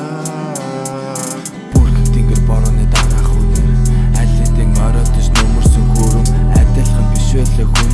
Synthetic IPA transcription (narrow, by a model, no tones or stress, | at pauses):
purxɘ̆kt̪ʰiŋɡeɮ̚pɔɾɔːniːt̪aɾaːχut̪eːæɮit̪eːŋœːɾʲɔːt̪it͡ɕnɵmɵ̆rsɵ̆ŋxuːɾɘ̆ŋæt̪ʲə̆ɮχə̆mpisweːɮeːxu